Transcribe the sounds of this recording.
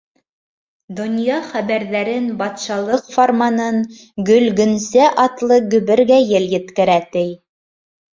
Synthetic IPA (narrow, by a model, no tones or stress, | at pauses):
d̪ŏnjɑχæβæɾðæɾɘnbɑt̪ʃɑlˠɤqformanɤɴ | ɡɵ̆lɡɵ̆nsæʔɑt̪lˠɤɡɵ̆βɘ̆ɾɡæjɘljɘ̆t̪kɘ̆ɾæt̪ɘj